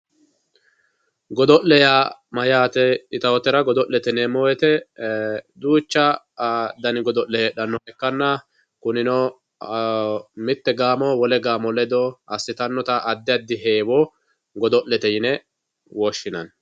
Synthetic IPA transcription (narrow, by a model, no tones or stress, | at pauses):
ɡɔd̪ɔʔlɛjaːmɐjaːt̪ɛɪt̪ɐwɔt̪ɛɾɐɡɔd̪ɔʔlːɛt̪ɛneːmːɔwɛt̪ɛ | d̪uːt͡ʃːɐ | d̪ɐnɪɡɔd̪ɔʔlɛjɛɗɐnːɔhɛkːɐnːɐ | kʊnɪnɔ | mɪt̪ːɛɡaːmɔwɔlɛɡaːmɔlɛd̪ɔɐsːɪt̪ɐnːɔt̪ɐʔːd̪ːɪjɐd̪ːɪɦeːwɔ | ɡɔd̪ɔʔlːɛt̪ɛjɪnɛ | wɔʃːɪnɐ̰n